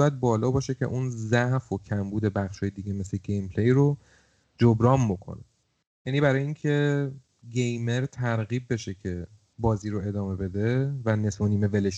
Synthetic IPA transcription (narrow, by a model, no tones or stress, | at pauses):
jæd̪̚bɒːlɒːbɒːʃe̞cʰe̞̰ʔuːnzæhfocʰæmbuːd̪e̞bæχʃhɒːjed̪iːɡeme̞sle̞ɟejmpʰlejɾo | d͡ʒobɾɒːmbo̞kʰo̞̰ne | jæːnibæɾɒːjeiːŋcʰe̞ | ɟe̞jme̞ɾt̪ʰæɾɣiːbbe̞ʃe̞cʰe | bɒːziːɾoe̞d̪ɒːme̞be̞d̪evæne̞sboniːme̞veleʃ